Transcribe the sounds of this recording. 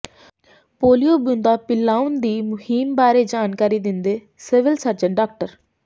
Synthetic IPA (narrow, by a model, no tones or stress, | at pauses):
poːlijobʊ̃nd̪apɪlaːʊnd̪iːmʊhiːmbaːɾed͡ʒaːnkaːɾid̪ɪ̃nd̪eː | sɪʋɪlsəɾd͡ʒəɳɖaːk̚ʈəɾ